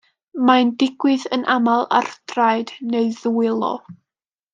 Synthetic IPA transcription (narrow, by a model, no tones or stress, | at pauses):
mandɪɡ̥wɨðənʔamalˠa̰rdrajdneɨðuwɪlˠɔ̰